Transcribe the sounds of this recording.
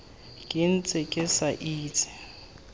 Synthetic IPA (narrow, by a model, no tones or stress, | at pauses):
kʼin̩t͡sʼɪkʼɪsaʔiːt͡sʰʼɪ̥